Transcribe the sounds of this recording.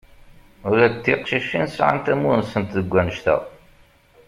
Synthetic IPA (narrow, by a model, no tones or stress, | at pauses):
ʊɾæt̪ːiqʃiʃinsʕa̰nt̪æmuɾnsənt̪ðəɡʷːænəʃt̪æ̰